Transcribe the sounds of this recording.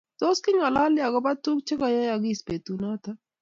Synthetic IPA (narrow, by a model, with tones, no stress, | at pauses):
t̪o˦ski˦ŋa˨la˦lja˨ɡɔ˦ba˦t̪ːu˦k̚t͡ʃʰe˦ka˨ja˦ja˨ɡi˦˨spe˨t̪u˨na˦t̪a˦